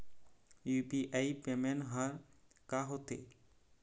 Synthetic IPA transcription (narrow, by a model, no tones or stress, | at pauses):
juːpiʔaipemenɦəɾ | kaɦot̪ḛ